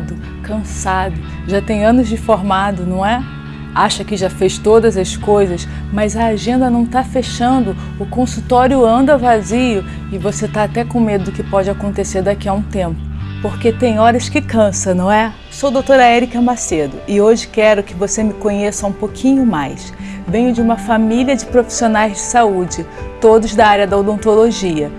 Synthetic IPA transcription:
d̪ʊ | kɐ̃sad̪ʊ | ʒat̪ẽj̃ɐ̃nʊzd͡ʒɪfoɾmad̪ʊnɐ̃w̃ɛ | aʃɐkɪʒafeʃt̪od̪ɐzɐskojzɐs | mɐjzɐaʒẽnd̪ɐnɐ̃w̃t̪afeʃɐ̃nd̪ʊ | ʊkõsut̪ɔɾjʊɐ̃nd̪ɐvaziʊ | ɪvoset̪aːt̪ɛkõmed̪ʊd̪ʊkɪpɔd͡ʒɪakõnt̪eseɾd̪akiɐũt̪ẽmpʊ̥poɾket̪ẽj̃ɔɾɐʃkɪkɐ̃sɐnɐ̃w̃ɛ | sod̪owt̪oɾɐɛɾikɐ̃mased̪ʊ̰ʔɪoʒɪkɛɾʊkɪvosemɪkõɲesɐũpokʰĩɲʊmajsvẽj̃ʊd͡ʒɪũmɐfamiliɐd͡ʒɪpɾofi̥sionajzd͡ʒɪsaud͡ʒɪt̪od̪ʊzd̪ɐaɾjɐd̪ɐowd̪õnt̪oloʒiɐ

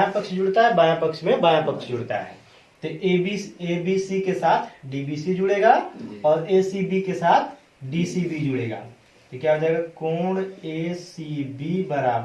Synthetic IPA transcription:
ajãpəkʃd͡ʒʊɽt̪aɦɛbaːjãpəkʃmẽbaːjãpəkʃd͡ʒʊɽt̪a̰ɦɛ̰ː | t̪oʔebieːbiːsikesaːt̪ʰɖiːbiːsid͡ʒʊɽeːɡaːɔːɾeːsibikesaːt̪ʰ | ɖiːsibid͡ʒʊɽeːɡa̰ː | t̪okjaːbd͡ʒaɡakɔːɳeːsibibəɾaːb

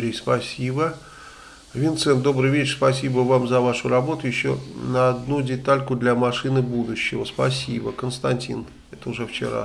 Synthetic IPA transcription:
ɾʲejspɐsʲibə | vʲɪnt̪sɛnt̪d̪o̞bɾɨjvʲet͡ɕrspɐsʲibəvamzɐvaʂʊɾɐbo̞t̪ʊjɪɕːo̰nəɐd̪nudʲɪt̪alʲkʊd̪lʲamɐʂɨnɨbud̪ʊɕːɪvəspɐsʲibəkənst̪ɐnʲtʲḭn | ɛt̪əʊʐɛft͡ɕɪ̰ɾa̰

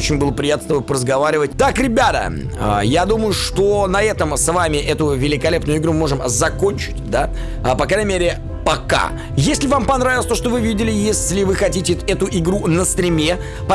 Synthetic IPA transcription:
ot͡ɕɪnʲbɨlˠəpɾʲɪjat̪st̪ɐbojpɾəzɡɐvaɾʲɪvətʲt̪akɾʲɪbʲat̪ə̰ | ə̰jad̪uməjʊʂt̪o̞nɐɛt̪əmsvamʲɪʔɛt̪ʊvʲɪlʲɪkɐlʲe̞pnʊjʊɪɡɾummo̞ʐɨmzɐko̞nʲt͡ɕɪ̥tʲd̪a | pɐkɾajnəmʲeɾʲɪ | pɐka̰ | jesʲlʲɪvampɐnɾavʲɪləsʲt̪o̞ʂt̪o̞vɨvʲidʲɪlʲɪjesʲlʲɪvɨxɐtʲitʲɪɛt̪ʊʔɪɡɾunəst̪ɾʲɪmʲe | pɐ

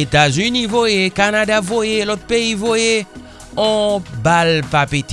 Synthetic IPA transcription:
et̪azynĩvojekanad̪avojelɔt̪̚peivoje | ɔ̃balpapet̪

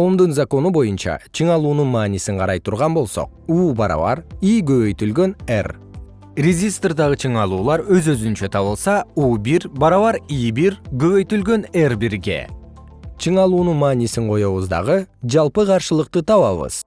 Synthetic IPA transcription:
omd̪unzako̞nubo̞junt͡ʃɑ̰t͡ʃʰɯɴɑlˠuːnunmɑːnisiɴqʰɑɾɑjt̪ʰuɾʁɑnbo̞lˠso̞̰q̚uːbɑɾɑ̰βɑ̰ɾiɡøβø̞jt̪ylɡø̞ner | rʲezʲist̪rd̪ɑʁɯt͡ʃʰɯɴɑlˠuːlˠɑɾøzøzynt͡ʃøt̪ʰɑβɯlˠsɑuːbiɾbɑɾɑβɑɾibiɾɡøβø̞jt̪ylɡø̞nerbiɾɡʲe̞̰ | t͡ʃʰɯɴɑlˠuːnunmaːnisiɴqʰo̞jo̞βuzd̪ɑ̰ʁɯd͡ʒɑlˠpɯqʰɑɾʃɯlˠəqt̪ɯt̪ʰɑβɑβɯ̰z̥

